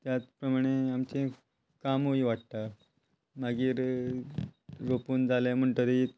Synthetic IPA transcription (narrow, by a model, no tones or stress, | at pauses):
t̪jat͡spɾəmaɽ̃eamt͡ɕẽ | kamɦoiʋaʈ̚t̪a | maɡiːɾ | ɾopuːnd͡zalem̤əɳt̪əɾi